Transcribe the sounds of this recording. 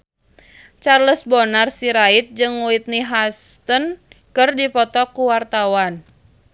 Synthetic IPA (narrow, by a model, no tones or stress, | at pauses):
t͡ʃarləsbɔnarsiɾait̪̚d͡ʒɨŋuit̪̚niɦast̪ənkɨrdipɔt̪ɔkuwart̪awan